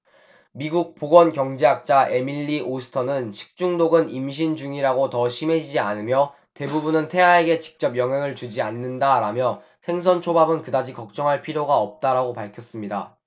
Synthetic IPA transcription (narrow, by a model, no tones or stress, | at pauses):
miɡuk̚p͈oɡwʌnkjʌŋd͡ʑeɦak̚t͡ɕ͈aʔe̞miʎːiʔosʰɯ̥tʰʌnɯnɕʰi̥k̚t͡ɕ͈uŋdoɡɯnimɕ̬ʰind͡ʑuŋiɾaɡotʌɕʰime̞d͡ʑid͡ʑianɯmjʌ | te̞bubunɯntʰe̞ɦae̞ɡe̞t͡ɕi̥k̚t͡ɕ͈ʌpjʌŋɦeŋɯɭt͡ɕud͡ʑianːɯndaɾamjʌ | sʰe̞ŋs̬ʰʌnt͡ɕʰobabɯnkɯdad͡ʑikʌk̚t͡ɕ͈ʌŋɦaɭpʰiɾjoɡaʌp̚t͈aɾaɡopaɭkʰjʌs͈ɯmɲida̰